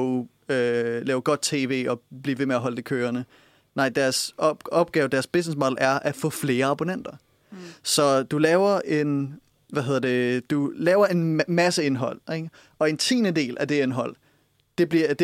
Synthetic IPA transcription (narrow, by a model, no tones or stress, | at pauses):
ølɛːʊɡ̥ɒ̽d̥̚t͡sʰe̝̰ːʋe̝̰ːɒ̽b̥lḭːʋe̝meæɦɒ̽ləd̥e̝kʰøːɐnə | nɑ̈ɪ̰d̥æɐsɒ̽b̥̚ɡ̥ɛːʊd̥æɐsb̥e̝s̬nes̬mɒ̽d̥l̩æɐʔæfɔ̰̽ːfle̝ːɐɑ̈b̥unen̰d̥ɐ | sɒ̽d̥ulɛːʊɐʔe̝n | ʋæɦeð̞̰ˠɐd̥e̝d̥ulɛːʊɐe̝nmæsəe̝nɦɒ̽l̰eɡ̥ | ɒ̽e̝nt͡sʰḭːnəd̥e̝̰ːlʔæd̥e̝enɦɒ̽l̰ | d̥e̝b̥liɐd̥e